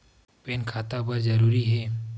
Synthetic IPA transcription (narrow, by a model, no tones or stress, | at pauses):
peːnkʰat̪apəɾd͡ʒəɾuɾiɦɛː